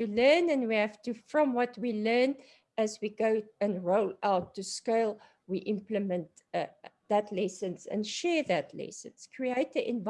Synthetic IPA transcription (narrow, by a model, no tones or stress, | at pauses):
tɨlɜ˞nɨ̃nwihæftɨfɹɔ̃mwʌtwilɜ˞n | ɨzwiɡoʊɨ̃nɹoʊlaʊtʰːuskelˠ | wiʔɪ̃mpləmə̃nt | ðɨtʰlɛsə̃nsɨ̰̃nʃɛɹðɨtʰlɛ̰sə̰̃nskʰɹieɪtəʔɪ̃nv